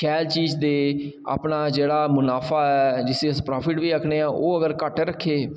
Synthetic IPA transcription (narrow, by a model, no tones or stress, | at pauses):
kʰɛːlt͡ʃiːzd̪eː | a̰ːpnaːd͡ʒeːɽaːmʊnaːfʰaːɛːd͡ʒɪsẽːʊspɾaːpʰɪʈʋiːəkʰneːãːʔoːəɡəɾkəʈɾəkʰːeː